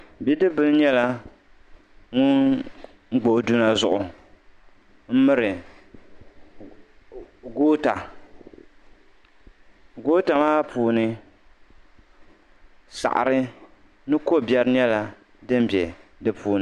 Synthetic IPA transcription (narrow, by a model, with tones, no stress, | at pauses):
bi˦dɨ˦bɨ˦lɲɛ˦la˦ | ŋʊ˦n̩˦ | ɡ͡bo˨du˦na˨zʊ˨ʔʊ˨ | m̩˦mɨ˦ɾɨ˨ | ɡoː˦ta˨ | ɡoː˦ta˨maː˦puː˨nɨ˦ | sa̰˨ʔa̰˨ɾɨ˦ | nɨ˦ko˦˨bjɛ˦ɾɨ˦ɲɛ˦la˨ | dɨ˦m˦bjɛ˨dɨ˦pʰuː˨nɨ˨˦